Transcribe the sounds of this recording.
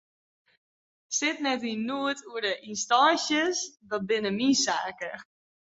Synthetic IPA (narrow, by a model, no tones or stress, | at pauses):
sɪtnɛtinuətʰuədəʔinstɔnsjəsdɔt̚bɪnəminsaːkə